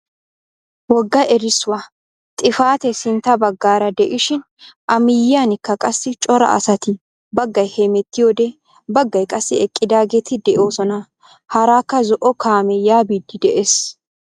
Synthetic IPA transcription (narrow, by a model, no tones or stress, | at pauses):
wɔɡːɐʔɛɾɪsːʊwa | t̪ʼɪfaːt̪ɛsɪnt̪ːɐbɐɡːaːɾɐd̪ɛʔɪʃɪn | ʔɐmɪjɪanɪkːɐkʼɐsːɪt͡ʃʼɔɾɐ̰ʔɐ̰sɐt̪ɪ | bɐɡːɐjhemɛt̪ːɪjoːd̪ɛ | bɐɡːɐjkʼɐsːɪɛkʼːɪd̪aːɡeːt̪ɪd̪ɛʔo̞ːsɔnɐ | hɐɾaːkːɐzɔʔɔkʰaːmɛjaːbiːd̪ːɪd̪ɛʔeːs